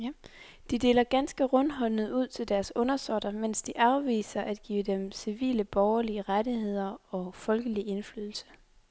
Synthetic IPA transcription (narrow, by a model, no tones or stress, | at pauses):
d̥id̥e̝ːlɐɡ̥ænsɡ̥əʁɔ̽nɦɒ̽nnəð̩ˠuð̰ˠt͡sʰe̝ld̥æɐsɔ̽nɐsɒd̥ɐmen̰sd̥iʔɑ̈ʊʋḭːsɐʔæd̥ɡ̥ḭːəd̥emsiʋḭːləb̥ɒʊɐliəʁadihe̝ð̞̰ˠɐɒ̽fɒ̽lɡ̥əlie̝nfly̰ːðˠl̩sə̥